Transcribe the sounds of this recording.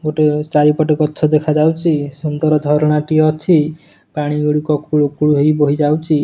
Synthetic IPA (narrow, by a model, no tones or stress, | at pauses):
ɡoʈet͡ʃaɾipɔʈekɔt͡ʃʰɔd̪ekʰad͡ʒawt͡ʃʰisund̪ɔɾɔd̪ʱɔɾɔɽ̃aʈiɔt͡ʃʰi | paɽ̃iɡuɽikɔkuɭukuɽuɦejboɦid͡ʒawt͡ʃʰi